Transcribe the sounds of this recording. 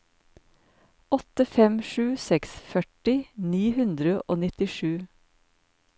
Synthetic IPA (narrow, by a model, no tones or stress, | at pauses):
ɔt̪əfɛmʃʉːsɛksfœʈɪniːhʉnd̪ɾəʔo̰ːnɪt̪ɪʃʉː